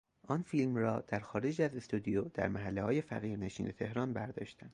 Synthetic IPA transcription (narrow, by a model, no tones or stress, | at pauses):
ʔɒːnfiːlmrɒːd̪̥æɾxɒːɾe̞d͡ʒæzest̪ud̪ijod̪̥æ̰ɾmæɦælːehɒːje̞fæ̰ɣiːɾne̞ʃiːnʔe̞t̪ʰe̞hɾɒːnbæɾd̪ɒːʃt̪ænd̥̪